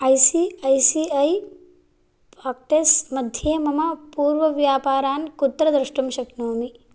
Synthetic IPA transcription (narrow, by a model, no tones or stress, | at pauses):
ɐjsiɐjsiɐj | paːk̚ʈesmɐd̪ʱjemɐmɐpuːɾʋɐʋjaːpaːɾaːnkut̪ːɾɐd̪ɾɐʃʈumʃɐknoːmi